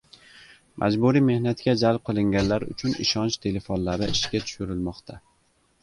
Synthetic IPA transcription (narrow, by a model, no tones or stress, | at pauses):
mʔa̰d͡ʒbuɾime̞hnat̪kʲad͡ʒalˠp̚qʰɨlˠɪŋɡʲanlaɾʊ̰t͡ʃʰʊnɪ̰ʃɒnt͡ʃt̪ʰe̞le̞fonlaɾɪɪʃkʲat̪ʰʊ̥ʃʊɾɪlmɒqt̪ʰa